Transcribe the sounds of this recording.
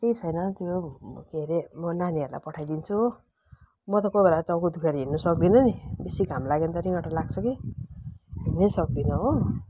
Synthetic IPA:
kejt͡sʰʌjnʌt̪joɡeɾemʌnaniʌɾula̰jpʌʈʰajd̪int͡sʰu | mʌt̪ʌkobelat͡sʌwkod̪ʱukʰeɾɦinːʌsʌk̚d̪inʌnibesiɡʱamlaɡent̪ʌɾiɡʌʈalaɡt͡sʰʌki | ɦinːʌsʌk̚d̪inʌɦo

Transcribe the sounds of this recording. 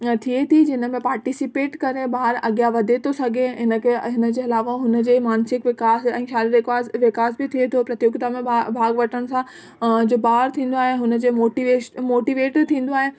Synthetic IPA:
t̪ʰiet̪ʰid͡ʑɪnə̆mẽpaːɾʈisɪpeːʈkɐɾebaːɪɾɐɡijaʋɐd̪ʱet̪ʰosɐɡʱeɦɪnə̆kʰeɦɪnə̆d͡ʑeːɐlaːʋaɦʊnə̆d͡ʑeːmaːnsɪkʋɪkaːsɛ̰̃ːxjaːliɾɪkaːsʋɪkaːsbɪt̪ʰiet̪ʰopɾɐt̪joːɡt̪amẽbʱaːɡʋɐʈʰəɽ̃̆sã | d͡ʑoːbaːɦɾt̪ʰĩːn̆d̪oaːɦeɦʊnə̆d͡ʑemoːʈiʋemoːʈiʋeːʈt̪ʰĩːn̆d̪oaːɦeː

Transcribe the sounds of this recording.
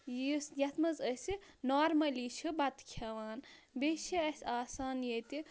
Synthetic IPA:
isjɐt̪ʰmɐzəsinoːɾmɐlit͡ʃʰibɐt̪kʰɐʋaːnbeʃiɐsʲaːsaːnjet̪i

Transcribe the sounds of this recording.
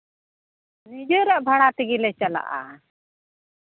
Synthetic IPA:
nid͡ʒəɾaʔbʱaɽ̃at̪iɡilɛt͡ʃala̰ʔa̰

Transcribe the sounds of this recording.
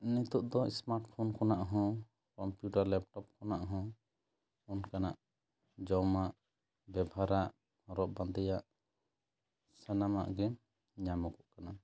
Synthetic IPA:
nit̪uʔd̪ɔḭsmaɾʈpʰɔnkɔnaʔɦɔ̃ | kɔmpjuʈaɾlɛp̚ʈɔp̚kɔnaʔɦɔ̃ | ɔnkanaʔ | d͡ʒɔmaʔ | bɛbʱaɾaʔ | ɾɔʔ̚band̪ɛjaʔ | sɛnama̰ʔɡɛ | ɲamɔkɔʔkana

